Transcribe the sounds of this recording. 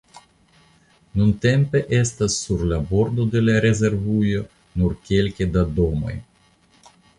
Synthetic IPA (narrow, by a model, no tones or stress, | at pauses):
nunt̪e̞mpe̞ʔe̞st̪asːuɾlabo̞ɾd̪o̞d̪e̞laɾe̞ze̞ɾvujo̞ | nuɾkʲe̞lkʲed̪ad̪o̞mo̞̰j